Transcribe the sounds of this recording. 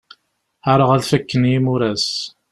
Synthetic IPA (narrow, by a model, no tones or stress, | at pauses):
ħaɾˤəʁæðfækːənjimʊɾæs